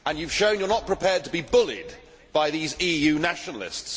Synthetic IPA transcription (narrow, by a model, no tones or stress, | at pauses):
ə̃njʉv̥ʃõʊ̃njə˞nəʔ̚pʰɹ̥ɪpʰɛːd̚tʰəbibʊlɪ̰d | b̥aɪðiːziːjʉːnaʃənəl̩ɪ̰sts